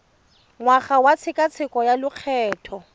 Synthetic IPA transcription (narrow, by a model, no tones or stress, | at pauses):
ŋwaχawat͡sʰɪkʼat͡sʰɪkʼɔjalʊq͡χʰɛːtʰɔ